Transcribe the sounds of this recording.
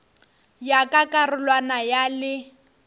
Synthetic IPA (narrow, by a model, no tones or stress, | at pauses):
jakʼakʼarʊlwanajalɪ